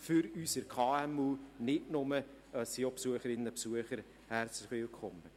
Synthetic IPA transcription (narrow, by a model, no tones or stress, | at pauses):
fʏɾysəɾkʰɑːɛmuːnɪtnʊmə | siopsuəχəɾɪnəəpsuəχəɾ | hɛɾt͡slɪχʋɪlkʰɔmːə